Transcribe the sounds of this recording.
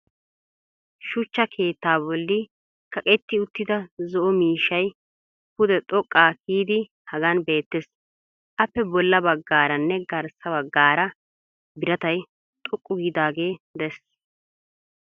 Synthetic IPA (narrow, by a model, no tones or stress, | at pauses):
ʃʊt͡ʃːɐkʰe̞ːt̪ːaːbɔlːɪ | kɐkʼɛt̪ːɪʊt̪ːɪd̪ɐzɔʔɔmiːʃɐj | pʊd̪ɛt̪ʼɔkʼːaːkiːd̪ɪ | hɐɡɐnbe̞ːt̪ːes | ʔɐpːɛbɔlːɐbɐɡːaːɾɐnːɛɡɐɾsɐbɐɡːaːɾɐ | bɪɾɐt̪ɐj | t̪ʼɔkʼːʊɡiːd̪aːɡe̞ːd̪ɛs